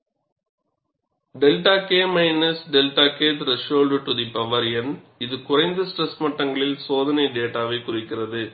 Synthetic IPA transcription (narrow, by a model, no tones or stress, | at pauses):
ɖɛlʈaːkeːmɐɪnɐsɖɛlʈaːkeːt̪ɪɾɐʃoːlɖʈʊðipɐʋɐɾɪjɐn | ɪðɯkʊrɐɪnd̪ɐsʈɾɛsmɐʈːɐŋɡɐɭɪlsoːðɐnɐɪɖeːʈaːʋɐɪkʊrɪkːɪrɐðɯ